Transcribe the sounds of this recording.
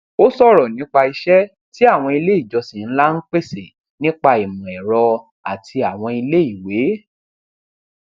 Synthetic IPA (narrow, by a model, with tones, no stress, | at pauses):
o˦sɔ˦˨ɾɔ˨nĩ˦k͡pa˧i˧ʃɛ˦ | ti˦a˦˨w̃ɔ̃˧i˧le˦i˦˨d͡ʒɔ˧sĩ˨n̩˦la˦n̩˦k͡pe˦se˨ | nĩ˦k͡pa˧i˨mũ˨ɛ˨ɾɔ˧ | a˨tʰi˧a˨w̃ɔ̃˧i˧le˦i˦˨we˨˦